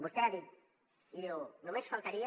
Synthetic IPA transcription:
bost̪eaði | iðionõmesfalt̪aɾia

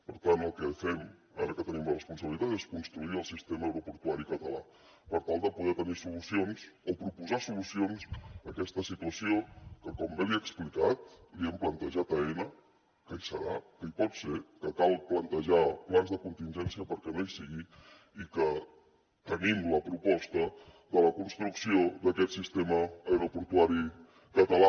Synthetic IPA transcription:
pəɾt̪anəlˠkəfɛm | a̰ɾəkət̪ənimlərəspunsəβilit̪at̪eskunst̪ɾuiəlˠsist̪eməːwɾopuɾt̪uaɾikət̪əla | pəɾt̪alˠd̪əpuðɛt̪ənisulusionzopɾupuzasulusionzəkɛst̪əsit̪uəsiokəkɔmbelieəksplikat̪liɛmplənt̪əʒat̪əɛnə | kəjsəɾa̰kəipɔt̪sekəkalˠplənt̪əʒaplanzðəkunt̪inʲʒɛnsiəpəɾkɛnejsiɣi | ikə | t̪ənimləpɾupɔst̪ə | ðələkunst̪ɾuksioðəkɛt̪sist̪eməːjɾopuɾt̪uaɾi | kət̪əla

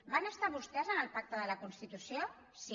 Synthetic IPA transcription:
banəst̪aβust̪ɛzənəlˠpak̚t̪əðələkunst̪it̪usio | si

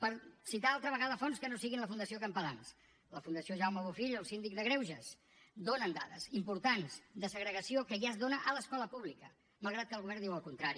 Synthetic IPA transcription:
pəɾsit̪aalˠt̪ɾəβ̞əɣaðəfɔnskənosiɣinləfund̪əsiokəmpəlans | ləfund̪əsioʒawməβofiʎəlˠsind̪ik̚d̪əɣɾewʒəs | d̪onənd̪a̰ðə̰zimpuɾt̪anzd̪əsəɣɾəɣəsiokəʒazðonəʔələskɔləpuβlikə | məlˠɣ̞ɾat̪̚kəlˠɣuβɛɾniwəlˠkunt̪ɾaɾi

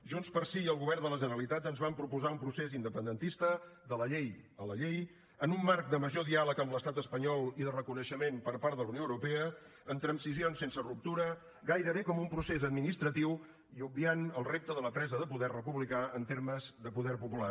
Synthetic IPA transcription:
ʒunspəɾsiəlˠɣuβɛrnd̪ələʒənəɾəlit̪at̪ənzβampɾupuzaumpɾusezind̪əpənd̪ənt̪ist̪əd̪ələʎejələʎej | ənumːark̚d̪əməʒoðialəkəmləst̪at̪əspəɲɔlˠiðərəkunəʃəmempəɾpaɾt̪ðələwnioəwɾupeə | ənt̪ɾənsizionsensərup̚t̪uɾə | ɡajɾəβekɔmumpɾusezəd̪minist̪ɾət̪iw | iub̚bianəlˠrep̚t̪əðələpɾɛzəðəpuðɛrrəpuβlikaənt̪eɾməzðəpuðɛrpupula

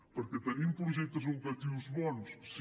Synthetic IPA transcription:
pɐɾkɨt̪ɐɾĩpɾuʒɛt̪ɐzlˠukɐt̪ivuʒβɔnuʃs

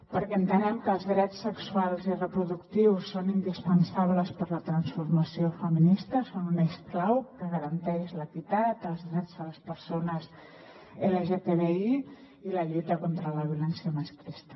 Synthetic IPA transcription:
pəɾkɛənt̪ənɛmkəːlˠzðɾɛt͡sːəksualˠzirəpɾuðukt̪iwsːonind̪ispənsaβləspəɾlət̪ɾənsfuɾməsiofəminist̪əsonunesklawkəɣəɾənt̪ɛʃləkit̪at̪əlˠzðɾɛd͡zðələspəɾsonəz | eleʒet̪eβei | iləʎujt̪əkont̪ɾələβiulɛnsjəməskɾist̪ə̥

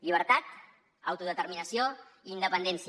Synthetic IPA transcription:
ʎiβ̞əɾt̪at̪ | ə̰wt̪uðət̪əɾminəsioiːnd̪əpənd̪ɛnsi

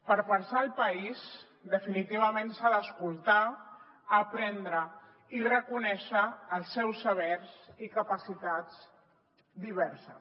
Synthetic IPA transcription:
pəɾpənsaːlˠpəiz | d̪əfinit̪iβ̞əmẽnsaðəːskulˠt̪aː | pɾɛnd̪ɾə | irəkunɛʃəːlˠsːɛwsːəβ̞ɛɾsikəpəsit̪atz | d̪iβ̞ɛɾsə

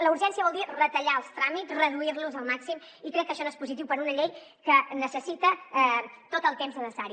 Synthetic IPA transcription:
ləuɾʒɛnsiəβɔlˠd̪irət̪əʎaəlˠst̪ɾamitzrəðuiɾluzəlˠmaksim | ikɾɛkːəʃɔnoespuzit̪iwpəɾunəʎej | kənəsəsit̪ə | t̪ot̪əlˠt̪emzðəðəsaɾi

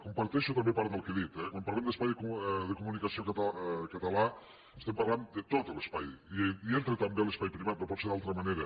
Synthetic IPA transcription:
kumpaɾt̪ɛʃut̪ambepaɾd̪alˠkeðit̪ɛkwampɐɾlemd̪əspajðkuðəkumunikasiokat̪kət̪ala | est̪empaɾland̪ət̪ot̪əlespa̰jiient̪ɾet̪ambelespajpɾiβat̪̚ɾɔpɔt̪seðalˠt̪ɾəmaneɾɐ

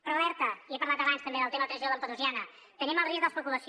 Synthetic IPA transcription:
pɾlɛɾt̪əiepɐɾlat̪əβanst̪əmbeðəlˠt̪emət̪ɾəʒioðˠəmpəðuzjanə | t̪əniməlˠrizðələspəkuləs

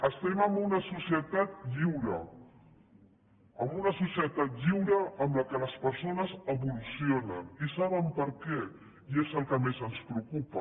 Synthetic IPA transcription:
əst̪ɛməmbunəsusiət̪at̪̚ʎiwɾə̰ | əmbunəsusiət̪at̪̚ʎiwɾəːmləkələspəɾsonəzəβulusionənisaβəmpəɾkɛ | iezəlˠkəmezənspɾəukupə

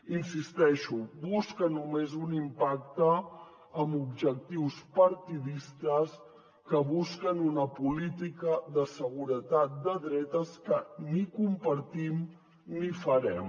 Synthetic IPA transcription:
insist̪ɛʃubuskənumezunimpakt̪əː | mubʒək̚t̪iwspəɾt̪iðist̪əs | kəβuskənunəpulit̪ikəðəsəɣ̞uɾət̪at̪̚d̪əðɾɛt̪əskənikumpəɾt̪im | nifəɾɛm

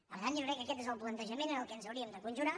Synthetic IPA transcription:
ə̰ðand͡ʒokɾɛkːəkɛt̪̬ezəlˠplənt̪əʒəmenenəlˠkənzəwɾiəmd̪əkunʒuɾa

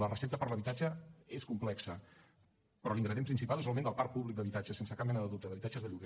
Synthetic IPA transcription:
lərəsep̚t̪əpəɾləβit̪ad͡ʒəeskumplɛksə | pɾɔliŋɡɾəðjempɾinsipalˠezəlˠmend̪əlˠpaɾ̚puβlik̚d̪əβit̪ad͡ʒəsensəkap̚mɛnəðəðup̚t̪əðəβit̪ad͡ʒəzðəʎuɣe

